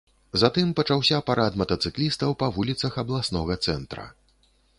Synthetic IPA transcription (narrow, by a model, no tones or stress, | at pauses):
zat̪ɨmpɐt͡ʂawsʲɐpaɾat̪mɐt̪ɐt̪sɨklʲist̪ɐwpɐvulʲit̪sɐxɐblˠasnɔɣɐt̪sɛnt̪ɾɐ̰